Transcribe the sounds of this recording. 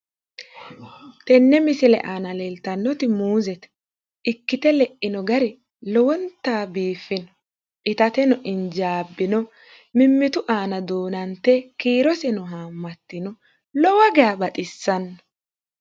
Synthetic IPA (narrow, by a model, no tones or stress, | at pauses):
t̪ɛnːɛmɪsɪlɛ̰ʔaːnɐlɛːlt̪ɐnːɔt̪ɪmuːzɛt̪ | ɪkːɪt̪ɛlɛʔɪnɔɡɐɾɛ | lɔwɔnt̪ːaːbiːfːɪnɔ | ʔɪt̪ɐt̪ɛnɔʔɪnd͡ʒaːbːɪnɔ | mɪmːɪt̪ʊʔaːnɐd̪oːnɐnt̪ːɛkiːɾɔsɛnʊɦaːmːɐt̪ːɪnɔ | lɔwɐɡɛabɐt̪ʼɪsːɐnːɔ̥